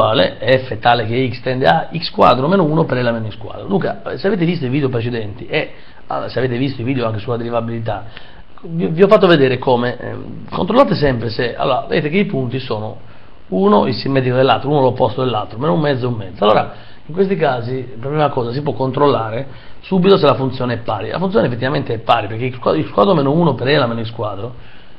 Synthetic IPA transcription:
aːlḛɛfːɛt̪ːaːlekeikst̪ɛnd̪eaikskwa̰ːd̪ɾomeːnouːnopeɾɛlːamenĩskwa̰ːd̪ɾod̪uŋkaseaveːt̪evist̪oiviːd̪eop̬ɾet͡ʃɛd̪ɛnt̪iʔe | a̰seaveːt̪̬evist̪oiviːd̪joaŋk̬esulːad̪eɾivabilit̪̬a | vviɔfːat̪̬ːoved̪ɛːɾekʰoːmḛ | ko̰nt̪ɾolaːt̪esɛmpɾesea̰lːɔːɾavḛd̪eːt̪ekeipunt̪isɔːno̰ | uːnoilsimːɛːd̪ikod̪elːa̰lt̪ɾouːnolopːɔst̪od̪elːalt̪ɾomenoumːɛd̪zoumːɛd̪zalːoːɾa | iŋkwest̪ikaːzipeɾpːɾimakɔːzas̬ipwɔkːont̪ɾolːaːɾe | subit̪os̬elafunt̪sjɔːneɛpːaːɾilʔa̰funt̪joːnefːet̪ːivament̪eɛpːaːɾipeɾk̟eiskwa̰ilskwa̰ːd̪ɾomeːnouːnopeɾɛlameːnoiskwaːd̪ɾo

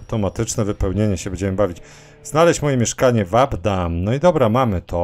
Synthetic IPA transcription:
wt̪ɔmat̪ɘt͡ʂnɛvɘpɛwɲeɲɛɕɛbɛɲd͡ʑɛmɘbavʲit͡ɕ | z̥nalɛɕt͡ɕmɔjɛmʲjɛʂkaɲɛvabd̪amnɔid̪ɔbɾamamɘt̪ʰɔ

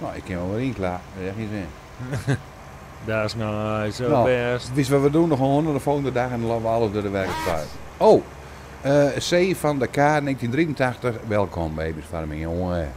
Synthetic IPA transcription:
noːɪkʰːɪnʋolˠʋɪlˠinklaɛxisɪ | dasnajsonoɛsʋɪsʋɔʋədunɔxəhondərdəfolˠɣəndədaxɛndənlɔʋəalˠəfdoədəʋɛrkəspa̰jt | oː | əseːfɔndəkʰaːneːɣntindriəntʰaxtəxʋɛlˠkʰɔmbeːbisfaɾəmio

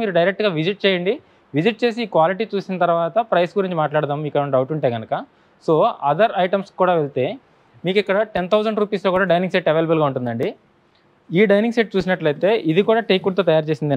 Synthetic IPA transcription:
miːɾuɖɐjɾek̚ʈɡaːʋid͡ʒiʈ̚t͡ʃɛːjɐɳɖi | ʋid͡ʒiʈ̚t͡ʃe̞ːs̬iːkʋaːliʈiːt͡ʃuːsinɐt̪ɐɾʋaːt̪ɐpɾɐjsɡuɾiɲt͡ʃimaːʈlaːɽt̪aːmmiːkːɐɐɳɖɐwʈuɳʈe̞ːɡɐnɐkɐ | so̞ːɐd̪ɐɾɐjʈɐmskuːɽaːʋelt̪e̞ː | miːkikːɐɽɐʈent̪ʰɐwd͡ʒɐɳɖɾuːpiːsloːkuːɽaːɖɐjniŋseʈɛʋeːlɐbɐlɡaːuɳʈund̪ɐɳɖi | iːɖɐjniŋseʈ̚t͡ʃuːsinɐʈlɐjt̪e̞ːʔid̪ikuːɽaːʈejkut̪oːt̪ɐjaːɾt͡ʃe̞ːsind̪ɐ

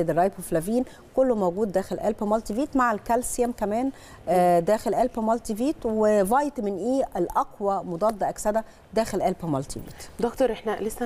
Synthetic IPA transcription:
ed̪ɪrˤɑjbweflæviːn | kolːmowɡuːd̪ːæːxelʔæ̰lpæmɑlt̪iviːt̪maʕalkælsæmkæmæːn | d̪æːxelʔælpæmɑlt̪iviːt̪wevɑjt̪mɪnʔiːʔelʔɑqwɑmod̪ˤɑd̪ːɑʔæksæd̪æ | d̪æːxelʔælpæmɑlt̪ḭvḭːt̪d̪okt̪oɾˤʔeħnælesːæ

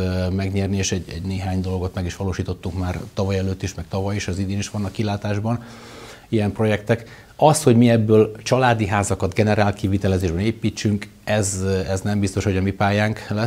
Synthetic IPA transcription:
mɛɡɲɛrnieːʃɛɟɛ̰ɟneːɦaːɲd̪o̞lɡo̞t̪mɛɡiʃʋɒloːʃiːt̪o̞t̪ːukmaːrt̪ɒvɒjɛløːt̪ːiʃmɛk̚t̪ɒvɒjiʃɛzid̪eːniʃʋɒnːɒkːilaːt̪aːʒbɒn | ijɛmpro̞jɛkt̪ɛk | ɒsho̞ɟmiɛbːøːlt͡ʃɒlaːd̪iɦaːzɒkɒd̪ɡɛnɛɾaːlkivit̪ɛlɛzeːʒbɛneːpiːt͡ʃːyŋk | ɛzɛznɛmbist̪o̞ʃho̞ɟɒmipaːjaːŋklɛ

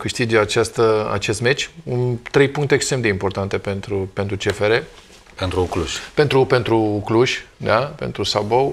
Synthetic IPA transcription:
kɨʃt̪id͡ʒat͡ʃast̪əa̰t͡ʃe̞st̪me̞t͡ʃʲunt̪ɾe̞jpuŋkt̪eːkst̪ɾemd̪eimpo̞rt̪ant̪e̞pe̞nt̪ɾupe̞nt̪ɾut͡ʃe̞feɾe̞ | pent̪ɾukluʃʲpe̞nt̪ɾupe̞nt̪ɾukluʃʲd̪ape̞̰nt̪ɾusabow

